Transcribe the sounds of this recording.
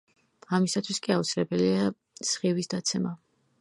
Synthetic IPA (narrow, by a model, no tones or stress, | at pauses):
amisat̪ʰwiskʼiaut̪sʰilɛbɛlia | sχivisd̪at̪sʰɛma